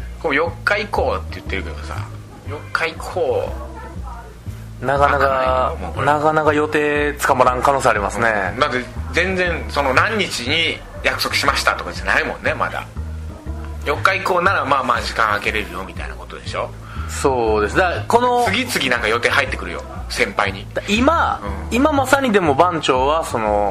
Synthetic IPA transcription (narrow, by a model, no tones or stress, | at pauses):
komojo̞kːaiko̞ːt̪ːe̞jɯ̟t̪ːe̞ɾɯ̟ke̞d̪o̞sa̰ | jo̞kːaikʰoː | nakanakamonakanakajo̞t̪e̞ːt͡sɨ̥kamaɾãŋkano̞ːseaɾʲimasɨne̞d̪at̪̬ːed͡zẽ̞nd͡zẽ̞nso̞no̞nãɲ̟ːit͡ɕiɲ̟i | jakɯ̟̥so̞kɯ̟ɕimaɕi̥t̪at̪o̞kazenaimõ̞̰nːe̞ma̰d̪a̰ | jo̞kːaiko̞ːnaɾamaːmaːd͡ʑikãɰ̃ake̞ɾe̞ɾɯ̟jo̞mʲit̪a̰ḭna̰ko̞t̪o̞d̪e̞ɕo̞ | so̞ːd̪e̞sɨd̪ako̞no̞sɨɡʲit͡sɨɡʲinãŋkajo̞t̪e̞ːɦait̪ːe̞kɯ̟ɾɯ̰jo̞̰sẽ̞mpaiɲ̟id̪aimaɯ̃imamasaɲ̟id̪e̞mo̞bãɲt͡ɕo̞ːβaso̞no̞